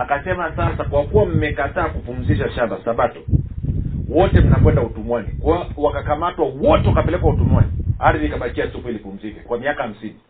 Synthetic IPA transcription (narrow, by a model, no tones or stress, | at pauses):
akasɛmasasakwakuwam̩mɛkataːkupum̩ziʃaʃandasaɓatɔ | wɔtɛm̩nakwɛndautumwanikawakakamatwawɔtɛwakapɛlɛkwautumwaniaɾðikaɓakiasikuilipum̩zikakwamiakaham̩sini